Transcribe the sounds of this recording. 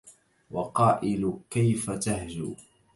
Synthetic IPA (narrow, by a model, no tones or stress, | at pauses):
wɑqɑːʔɪlkajfat̪ahd͡ʒuː